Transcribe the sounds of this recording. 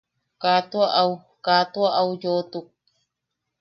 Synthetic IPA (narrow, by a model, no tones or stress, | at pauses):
kat̪uaʔaw | kat̪uaʔawjot̪uk̚